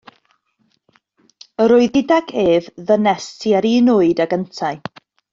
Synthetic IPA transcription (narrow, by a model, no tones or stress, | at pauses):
əɾʊɨðɪdaɡʰeːvðənɛstʰiaɾiːnʊɨdaɡəntʰaɨ